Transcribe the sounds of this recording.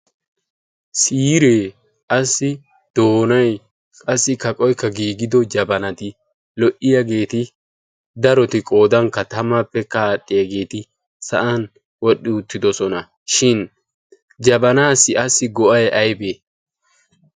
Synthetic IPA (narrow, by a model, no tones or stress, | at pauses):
siːɾeː | ʔɐsːɪ | d̪̥oːnɐj | kʼɐsːɪkɐkʼɔjkːɐɡiːɡɪd̪ɔd͡ʒɐbɐnɐt̪ɪ | lɔʔɪjɐɡe̞ːt̪ɪ | d̪ɐɾɔt̪ɪkʼo̞ːd̪ɐŋkːɐt̪ɐmapːɛkːɐːɗʼːɪjɐɡe̞ːt̪ɪ | sɐ̰ʔɐn | wɔɗːɪʊt̪ːɪd̪ɔsɔnɐ | ʃɪn | d͡ʒɐbɐnaːsːɪɐsːɪɡɔʔɐjɐjbeː